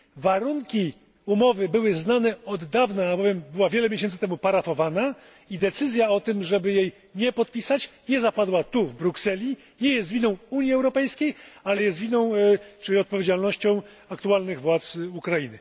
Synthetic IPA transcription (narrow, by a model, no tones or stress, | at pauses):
vaɾuŋkʲi | umɔvɘbɘwɘznanɛɔd̪ːavnaːbɔvʲjɛmbɘwavʲjɛlɛmʲjeɕɛnt̪sɘt̪ɛmupaɾafɔvana | id̪ɛt̪sɘzʲjaɔt̪ɘmʐɛbɘjej | ɲɛpɔt̪̚pʲisat͡ɕɲɛzapad̪wat̪uvbɾuksɛlʲi | ɲɛjɛst̪vʲinɔ̃w̃uɲjiɛwɾɔpɛjskʲejalɛjɛst̪vʲinɔ̃w̃t͡ʂɘlʲiɔt̪̚pɔvʲjed͡ʑalnɔɕt͡ɕɔ̃w̃ | akt̪ualnɘɣvwat̪sukɾajinɘ